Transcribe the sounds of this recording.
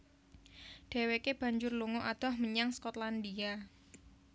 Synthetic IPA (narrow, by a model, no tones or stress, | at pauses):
ɖ̥e̤wekeb̥a̤ɲd͡ʒʊrluŋɔʔad̪̥ɔ̤hməɲaŋskɔt̪land̪ia